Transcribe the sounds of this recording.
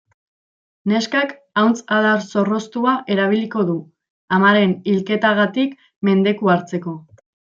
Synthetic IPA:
ne̞skak | awnt͡saðaɾso̞ro̞st̪uaʔe̞ɾaβ̞iliko̞ðu | amaɾe̞nilke̞t̪aɣ̞at̪ik | me̞nd̪e̞kuaɾt͡se̞ko̞

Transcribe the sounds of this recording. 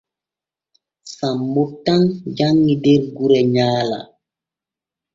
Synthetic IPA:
sambotand͡ʒaŋɡideɾɡuɾɛɲaːla̰

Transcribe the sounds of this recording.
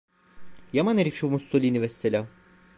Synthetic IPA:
jamaneɾifʃumust̪ʰolʲinivɛst̪elʲa

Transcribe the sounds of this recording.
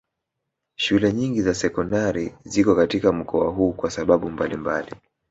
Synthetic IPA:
ʃulɛɲiŋɡizasɛkɔndaɾizikɔkatikam̩kɔa̰ɦuːkwasaɓaɓumbalimbali

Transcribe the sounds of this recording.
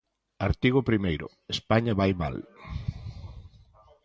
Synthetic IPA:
aɾt̪iɣ̞ʊpɾimejɾʊ̰ | espaɲaβajma̰l

